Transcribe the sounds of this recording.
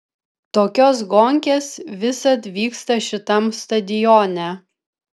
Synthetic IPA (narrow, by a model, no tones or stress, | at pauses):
t̪oːkʲos̬ɡɔŋʲkʲeːsʋʲɪsɐt̪ʋʲiːkst̪ɐʃʲɪt̪ɐmst̪ɐd̪ʲɪjɔnʲɛ